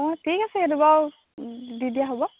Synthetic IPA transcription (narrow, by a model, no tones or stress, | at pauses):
ɔtʰikasɛdubaw | d̪id̪ijaɦɔbɔ